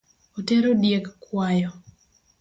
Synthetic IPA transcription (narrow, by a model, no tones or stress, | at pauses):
oteɾodjekkwajɔ